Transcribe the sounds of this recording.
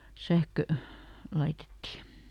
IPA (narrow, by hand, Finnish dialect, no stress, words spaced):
sæhkø lɑitetːi